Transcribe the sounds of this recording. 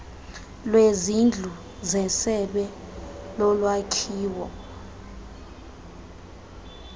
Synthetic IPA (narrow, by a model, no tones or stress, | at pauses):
lwezind͡ɮʱu | zɛsɛɓɛlɔlwakʰiːwɔ